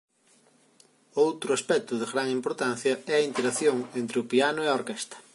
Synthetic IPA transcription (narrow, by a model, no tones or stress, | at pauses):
owt̪ɾʊaspɛk̚t̪ʊðɪɣɾaŋimpoɾt̪an̟θjɐɛɐint̪eɾaθjoŋent̪ɾɪʊpianʊeoɾkɛst̪ɐ̥